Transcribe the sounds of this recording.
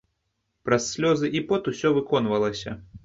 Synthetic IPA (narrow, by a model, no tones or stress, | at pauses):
pɾɐsːʲlʲɔzɨʔipɔt̪usʲɔvɨkɔnvɐlˠɐsʲɐ̰